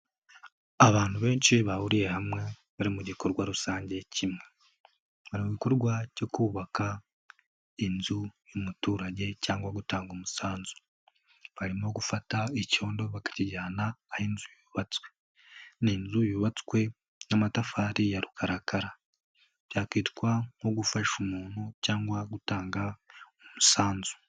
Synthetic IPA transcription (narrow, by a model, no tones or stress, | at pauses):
aβaːn̥huβe̞ːnʃiβaβuɾije̞hamŋe̞ | βaɾimuɟiko̞ɾɡwaɾusaːɲɟe̞cʰimŋe̞ | βaɾimuɟikoɾɡwaɟo̞kuːβaka | inzujomutuːɾaɟe̞caːŋɡwaɡutaːŋɡomusaːnzu̥ | βaɾimo̞ɡufataico̞ːndo̞βakḁciɟaːnaːhinzujuβat͡swe̞ | ninzujuβat͡skwe̞ | namatafaːɾijaɾukʰaɾakaɾa | β̥jaːkiːtkwaŋo̞ɡufaʃumuːnucaːŋɡwaɡutaːŋɡaomusaːnzu̥